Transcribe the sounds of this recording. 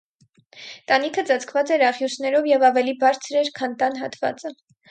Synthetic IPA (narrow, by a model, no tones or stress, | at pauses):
t̪ɑnikʰət͡sɑt͡sʰkʰvɑt͡sɛɾɑʁjusnɛɾɔvjɛvɑvɛlibɑɾt͡sʰəɾɛɾkʰɑnt̪ɑnɦɑt̪vɑ̰t͡sə